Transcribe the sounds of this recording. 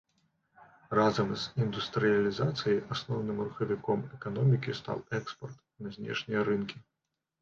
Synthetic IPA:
razɐmz̥ind̪ust̪ɾɨjalʲizat̪sɨjiʔasnɔwnɨmruxɐvʲikɔmɛkanɔmʲikʲist̪a̰wɛkspɐrt̪ | nɐzʲnʲɛ̰ʂnʲijɐɾɨnkʲi

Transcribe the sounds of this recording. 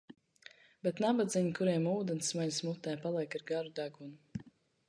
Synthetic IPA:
bet̪nabad̪zʲiɲikuɾiɛmuːd̪ɛnsmaʎʲsmut̪ːɛːpalˠiɛkaɾɡaɾud̪aɡunu

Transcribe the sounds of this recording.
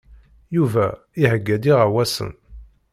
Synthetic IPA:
juvæ | ihəɡːæd̪iʁawæsə̰n

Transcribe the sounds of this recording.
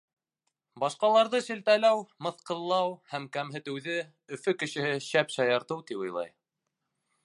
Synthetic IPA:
bɑʃqɑlˠɑɾðɤʃɘ̆lt̪ælæwmɤ̆θqɤ̆ðlˠːɑwhæmkæmɦɘ̆t̪ɘ̆wðɘ | ɵ̆fɵkɘ̆ʃɘ̆hɘɕæpɕɑjɑɾt̪ɤwt̪ipŏjlˠɑ̰j

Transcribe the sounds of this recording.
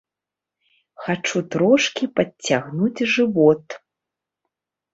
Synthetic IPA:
xat͡ʂut̪ɾɔʂkʲipɐt͡sʲːaɣnud͡zʲʐɨvɔt̪

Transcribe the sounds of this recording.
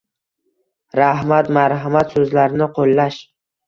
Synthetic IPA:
ɾahmat̪maɾɦamat̪sɵzlaɾnɪqʰolːaʃ

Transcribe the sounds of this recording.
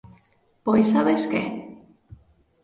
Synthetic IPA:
pojsaβeskḛ

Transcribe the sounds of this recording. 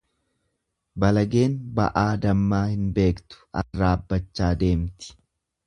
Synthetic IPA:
bɐlɐɡe̞ːnbɐ̰ʔaːd̪ɐmːaːhɪnbe̞ːkt̪ʊ̥ʔɐ̰ːaːbːɐt͡ʃːaːd̪e̞ːmt̪ɪ̥

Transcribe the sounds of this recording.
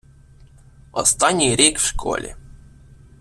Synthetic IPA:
ɔst̪anʲijɾʲekfʂkʰɔ̰lʲɪ̰

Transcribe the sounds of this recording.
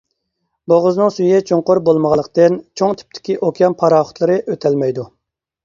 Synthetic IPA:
boʁʊznɨŋsyjɛt͡ʃʰoŋqoɾbolˠməʁɑlˠːəqʰt̪ɨnt͡ʃʰoŋt̪ʰy̥p̚t̪ʰɪ̥kʲiʔokʲʰjɑmpʰɑɾɑːχʊ̥t̪ʰlˠɨɾɨʔøt̪ʰɛlmɛjd̪u

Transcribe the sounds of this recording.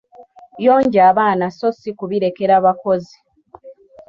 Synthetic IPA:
jo̞ːɲɟaːβaːnaso̞sikuβiɾe̞ke̞ɾaβakozi

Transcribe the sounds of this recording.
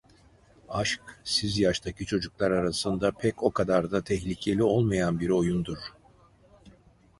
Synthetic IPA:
aʃksizjaʃt̪ʰacʰit͡ʃʰo̞d͡ʒuklˠaɾaɾasɯnd̪apʰɛco̞kʰad̪aɾd̪at̪ʰɛçlʲicʰe̞lʲio̞lˠmajanbiɾo̞jund̪uɾ̥

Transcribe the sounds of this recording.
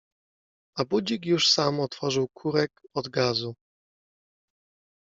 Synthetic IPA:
abud͡ʑikjuʂsamɔt̪fɔʐɘwkʰuɾɛkɔd̪ɡazu

